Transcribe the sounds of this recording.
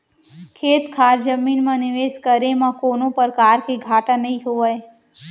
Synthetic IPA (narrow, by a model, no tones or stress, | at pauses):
kʰeːt̪kʰaːɾd͡ʒəmiːnmãnɪʋeːʃkəɾemãkoːnõpəɾkaːɾkeɡʱaːʈãnəĩɦoʋaj